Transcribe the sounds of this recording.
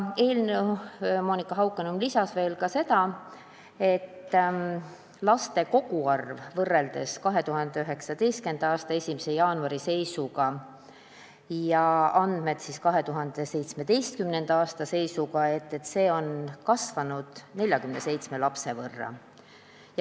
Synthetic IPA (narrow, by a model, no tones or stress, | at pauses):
e̞ːlnemoːnikːˑɑɦɑwkːˑenumlisɑsve̞ːlkɑse̞t̪ɑ | e̞t̪ː | lɑst̪e̞ko̞ɡuɑrvvɤrːe̞ld̪e̞skɑɦe̞t̪uɦɑnd̪̥e̞yɦe̞ksɑd̪e̞jst̪̚ke̞nd̪̥ɑɑːst̪ɑe̞sʲimise̞jɑːnuɑɾise̞jsuɡɑ | jɑɑnd̪̥me̞d̪̥siskɑɦe̞t̪uɦɑnd̪̥e̞se̞jt̪sme̞d̪e̞jst̪̚kymne̞nd̪̥ɑɑːst̪ɑse̞jsukɑe̞t̪ːe̞t̪ːse̞ːo̞nkɑsvɑnud̪̥ne̞lʲjɑkymne̞se̞jt̪sme̞lɑpse̞vɤrːɑ̰ | j